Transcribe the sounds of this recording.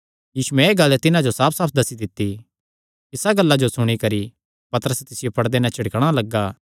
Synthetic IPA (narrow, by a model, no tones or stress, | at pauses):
jiːsuɛ̃eːɡɐlːɛt̪ɪnãd͡ʒosaːpʰsaːp̚ʰd̪ɐsid̪ɪt̪ːi | ɪsaɡɐlːad͡ʒosʊɽ̃ikɐɾi | pɐt̪əɾəsɛt̪ɪsɪjopɐɽd̪enɛ̃t͡ʃʰɪɽkəɽ̃alɐɡːaː